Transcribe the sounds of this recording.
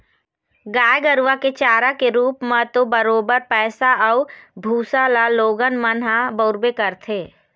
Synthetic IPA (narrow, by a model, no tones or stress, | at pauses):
ɡaːjɡəɾʋaket͡ʃaːɾakeɾuːpmãt̪obəɾoːbəɾpɛːsaɔʊbʱuːsalaloːɡənmənɦãbəːɾbekəɾt̪ʰeː